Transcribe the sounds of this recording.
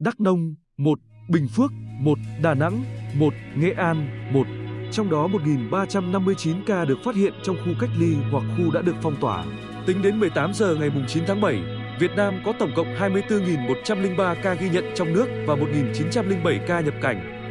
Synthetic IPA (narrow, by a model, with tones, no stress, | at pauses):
ɗa˦˥k̚nə˧wŋ͡m | mo˨˩t̚ɓï˨˩ŋ̟fɨ˦˥ək̚mo˨˩t̚ɗaː˨˩na̰˧˥ŋmo˨˩t̚ŋɛ̰˧ʔaː˧nmo˨˩t̚t͡ɕɔ˧wŋ͡mɗɔ˨˦mo˨˩t̚ŋi˨˩nɓaː˧t͡ɕa˧mna˧mːɨ˧əjt͡ɕi˨˦nkaː˧ɗɨ˨˩ək̚faː˦˥t̚hḭ˧˨ənt͡ɕɔ˧wŋ͡mxu˧ka˦˥jk̚li˧hwa˨˩k̚xu˧ɗa̰ː˧˥ɗɨ˨˩ək̚fɔ˧wŋ͡mt̪waː˧˩ | t̪ï˨˦ŋ̟ɗe˨˦nmɨ˨˩əjt̪aː˨˦mzəː˨˩ŋa˨˩jmʊ˨˩ŋ͡mt͡ɕi˨˦nt̪ʰaː˨˦ŋɓə˧˩j | vi˨˩ət̚naː˧mkɔ˨˦t̪ə˧˩wŋ͡mkə̰˧˨wŋ͡mhaː˧jmɨ˧əjt̪ɨ˧ŋi˨˩nmo˨˩t̚t͡ɕa˧mlï˧ŋɓaː˧kaː˧ɣi˧ɲə̰˧˨nt͡ɕɔ˧wŋ͡mnɨ˦˥ək̚vaː˨˩mo˨˩t̚ŋi˨˩nt͡ɕi˨˦nt͡ɕa˧mlï˧ŋɓə˧˩jkaː˧ɲə˨˩p̚ka˧˩jŋ̟